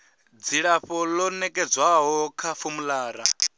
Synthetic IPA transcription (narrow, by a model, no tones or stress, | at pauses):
d͡ziɺaɸɔlɔnɛkʼɛd͡zwaɦɔkʰafumulaːɾa̰